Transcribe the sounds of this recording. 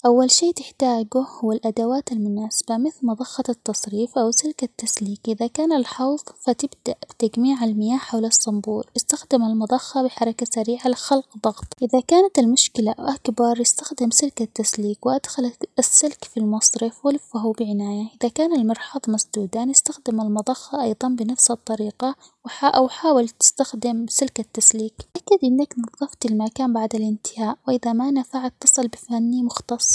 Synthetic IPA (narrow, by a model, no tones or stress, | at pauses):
ʔawːalʃiːt̪ɪħt̪aːɡʊhʊwalʔad̪awaːt̪almʊnaːsɪ̥bamɪθlmɑd̪ˤɑxːɑt̪ːɑsˤɾiːfʔawsɪlkat̪ːasliːkʔɪðakaːnalħɑwðˤfat̪ɪbd̪aʔbɪt̪aɡmiːʕalmɪjaːħawlɑsːɪmbuːlʔɪst̪axd̪ɪmalmɑd̪ˤɑxːɑbɪħɑɾˤɑkasaɾiːʕalxɑlqðˤɑɣt̪ˤʔɪðakaːnat̪almʊʃkɪlaʔʔakbɑɾˤjɪst̪ḁxd̪ɪmsɪlkat̪ːasliːkwɪʔad̪xalasːɪlkfilmɑsˤɾɪfwɪlfaɦubɪʕɪnaːjaʔɪðakaːnalmɑɾˤħɑðˤmasd̪uːd̪aːnjɪst̪axd̪ɪmalmɑd̪ˤɑxːɑʔɑjðˤɑnbɪnafsɨt̪ˤːɑɾiːqɑ | wħaʔawħaːwɪlt̪ɪ̥st̪axd̪ɪmsɪlkat̪ːasliːkʔakːad̪ʔɪnːaknɑðˤːɑft̪ɪlmakaːmbaʕd̪alʔɪnt̪ɪ̥haːʔwɪʔɪðamanafaʕat̪ːɨsˤɨlbɪfanːimʊxt̪ɑsˤː